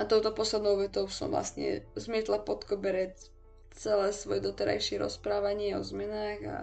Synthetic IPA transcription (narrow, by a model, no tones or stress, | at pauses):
at̪ɔʊt̪ɔpɔslɛd̪nɔʊʋɛt̪ɔʊsɔ̰mvla̰st̪ɲɛ̰zmɪɛt̪lapɔt̪kɔbɛɾɛc | t͡sɛlɛːsʋɔjɛd̪ɔt̪ɛɾa̰jʃɪɛɾɔ̰spɾaːʋaɲɪɛɔzmɛnaːɣa̰